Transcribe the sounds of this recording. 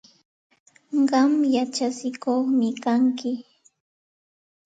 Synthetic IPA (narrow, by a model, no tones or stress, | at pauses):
ɢɑmjat͡ʃasɪkoχmɪkaŋkɪ